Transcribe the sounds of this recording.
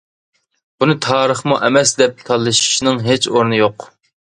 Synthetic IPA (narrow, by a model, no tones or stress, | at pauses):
b̥unɨt̪ʰɑːɾəχmuʔɛmɛsd̪ɛp̚t̪ʰɑlˠːɨʃi̥ʃnɨŋɦet͡ʃoɾnɨjoq